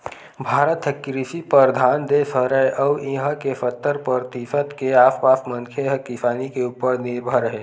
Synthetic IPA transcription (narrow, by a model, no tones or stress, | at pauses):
bʱaːɾət̪ɦekɾɪsipəɾd̪ʱaːnd̪esəɾəeʔəʋĩɦəkefət̪ːəɾpəɾt̪iːfət̪keaːfpaːsmə̃ŋkʰeɦəkːisaːnikeuːpəɾnɪɾbʱəɾəɦeː